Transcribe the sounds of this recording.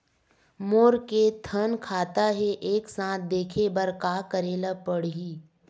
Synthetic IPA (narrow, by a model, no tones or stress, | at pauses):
moːɾket̪ʰənkʰaːt̪aɦɛʔeːksãːt̪̚ʰd̪eːkʰebəɾkaːkəɾeːlapəɽ̤iː